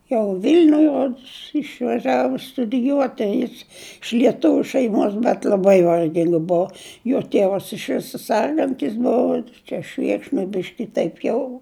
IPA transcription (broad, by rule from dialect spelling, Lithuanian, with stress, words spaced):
jɛʊ ˈʋʲɪlʲnʲʊj ˈroːts ɪʃʋɐˈʒʲæːʋoː stʊdʲɪˈjuɔtʲɪ ˈjɪs ɪʃ lʲiɛˈtʊʋʲʊ ʃʲɛɪˈmoːs bʲɛt lʲɐˈbɐɪ ʋɐrʲˈɡʲɪŋk ˈbʊʊ joː ˈtʲeːʋɐs ɪʃ ˈʋʲɪsoː ˈsʲɛrɡɐnʲtʲɪs ˈbʊʋoː ˈt͡ʃʲɛ ˈʃʲʋʲeːkʃnoːj ˈbʲɪʃʲkʲɪ ˈtɐɪp jɛʊ